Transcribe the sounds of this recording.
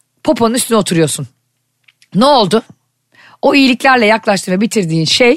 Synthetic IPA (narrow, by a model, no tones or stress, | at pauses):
pʰopʰonɯnyst̪ʰynio̞t̪ʰuɾujo̞ɾsun | nɛo̞lˠd̪ʊ | oijilʲicʲlʲæɾlʲɛjaklˠaʃt̪ɯːvɛbit̪ʰiɾd̪iːnʃej